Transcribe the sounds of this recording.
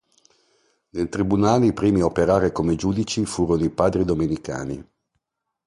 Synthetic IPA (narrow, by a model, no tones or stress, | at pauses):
nelt̪ɾibunaːlipɾiːmiopeɾaːɾekomed͡ʒuːd̪it͡ʃifuːɾonoipaːd̪ɾid̪omenika̰ːnḭ